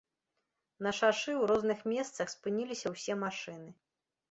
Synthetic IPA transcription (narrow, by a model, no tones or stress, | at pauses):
nɐʂaʂɨwɾɔznɨxmʲɛst̪sɐxspɨnʲilʲisʲɐwsʲɛmaʂɨnɨ